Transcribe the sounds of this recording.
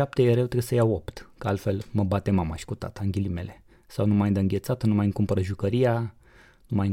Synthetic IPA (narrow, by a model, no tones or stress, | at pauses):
ap̚t̪ejeɾewt̪ɾeesəjawopt̪kəalt̪fe̞lməbat̪emamaʃi̥kut̪a̰t̪əɨŋɡʲilime̞le̞ | sawnumajd̪eɨŋɡʲe̞t̪sat̪numajɨŋkumpəɾəʒukəɾija | numaj